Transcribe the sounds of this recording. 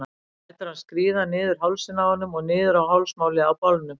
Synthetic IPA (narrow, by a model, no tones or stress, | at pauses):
ɛt̪ʏɾ̥haðskɾiːðanɪːðʏɾ̥ɦawlsɪnaɔnːʏmɔɣnɪːðʏɾawɦawlsmawlɪawpawlnʏm